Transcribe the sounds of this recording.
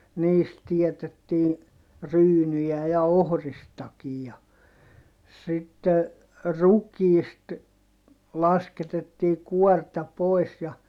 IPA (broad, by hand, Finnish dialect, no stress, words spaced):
niːst tietetːiː ryːnyjæˑ jɑ ohristɑkij jɑ sitːe rukiːst lɑsketetːiː kuɔrtɑ poˑi̯s jɑ